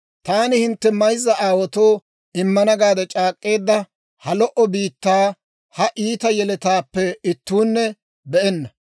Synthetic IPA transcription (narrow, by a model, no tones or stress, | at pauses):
t̪aːnɪhɪnt̪ːɛmɐjzːɐʔaːwɔt̪oː | ɪmːɐnɐɡaːd̪ɛt͡ʃʼaːkʼːe̞ːd̪ːɐ | hɐlɔʔɔbiːt̪ːaː | hɐʔiːt̪ɐjɛlɛt̪aːpːɛɪt̪ːuːnːɛ | bɛʔɛnːɐ